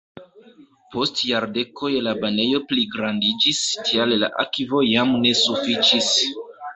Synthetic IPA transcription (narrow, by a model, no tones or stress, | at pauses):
po̞stjaɾde̞kʰo̞jlabane̞jo̞pliɡɾandid͡ʒistʰialla̰ʔakivo̞jamne̞sufit͡ʃis